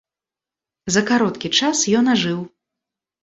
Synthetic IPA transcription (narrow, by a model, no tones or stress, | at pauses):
zɐkaɾɔt̪kʲit͡ʂasjɔnaʐɨw